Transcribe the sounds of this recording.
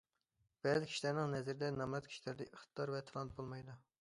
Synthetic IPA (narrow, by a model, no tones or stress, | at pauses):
b̥ɛzkʲʰi̥ʃlæɾnɪŋnɛzɪɾɪd̪ɛnɑmɾɛt̪kʲʰi̥ʃlæɾd̪ɛʔəχt̪ʰɨ̥t̪ʰɑɾvɛt̪ʰɑlˠɑnt̪̚bolˠmɑjd̪u